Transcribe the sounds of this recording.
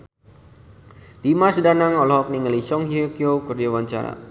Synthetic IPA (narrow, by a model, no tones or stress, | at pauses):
d̥imasdanaŋɔlɔɦɔk̚niŋəlisɔŋhiokiokurdawaɲt͡ʃa̰ɾa̰